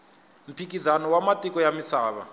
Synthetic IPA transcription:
m̩pʰik̬izanɔwamatʼikʼɔjamisaːɓa̰

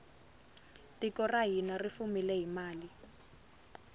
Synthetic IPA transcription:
tikɔraɦinarifumilɛɦimaːli

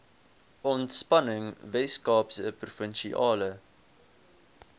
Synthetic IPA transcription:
ɔntspɐnəŋvɛskɑːpsəprufənʃiʔɑːlə

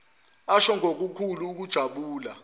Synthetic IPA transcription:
aʃɔŋʱok̬ukʰuluːk̬ud̥ʒ̥ʱaɓuːla̰

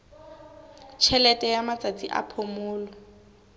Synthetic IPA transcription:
t͡ʃʰɛlɛtʼɛjamat͡sʼat͡sʼiʔa̰pʰʊmʊːlɔ

